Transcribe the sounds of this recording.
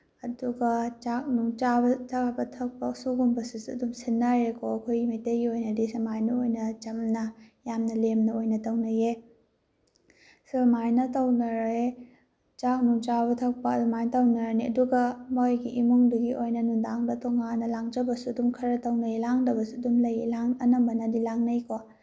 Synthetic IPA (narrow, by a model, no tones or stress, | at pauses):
ɐduɡɐt͡ʃak̚nuŋt͡ʃabɐt͡ʃabɐtʰɐk̚pɐksuɡumbɐsusuɐdumsinːɐɾekʰoɐkʰojimijteɡiojnɐdisimajnɐojnɐt͡ʃɐmnɐjamnɐlemnɐojnɐtɐwnɐje | sumajnɐtɐwnɐɾe | t͡ʃanumt͡ʃabɐtʰɐk̚paɐdumajnɐtɐwnɐɾaniɐ̰duɡɐmojɡiʔimuŋduɡiʔojnɐnundaŋdɐtoŋanɐlaŋd͡ʒɐbɐsuɐdumkʰɐɾɐtɐwnɐjelaŋdɐbɐsuɐdumlɐjelaŋɐnɐmbɐnɐdilaŋnɐjko